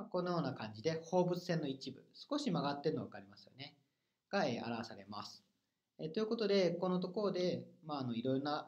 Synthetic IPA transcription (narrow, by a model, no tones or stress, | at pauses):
kõ̞nːojo̞ːnakãɲ̟d͡ʑid̪e̞ho̞ːbɯ̟t͡sɨ̥sẽ̞nːo̞it͡ɕibɯ̟sɨ̥ko̞ɕimaɡat̪ːeɾɯnoβakaɾʲimasɨ̥jo̞ne̞ | ɡ̥aḛːʔa̰ɾaβasaɾe̞ma̰sɨ̥ | et̪o̞jiɯ̟ko̞t̪o̞d̪e̞ko̞no̞t̪o̞ko̞ɾo̞d̪e̞maːno̞iɾo̞jɾo̞na